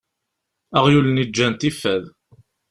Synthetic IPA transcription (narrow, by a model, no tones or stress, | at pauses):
æʁjulənid͡ʒːænt̪ifːæð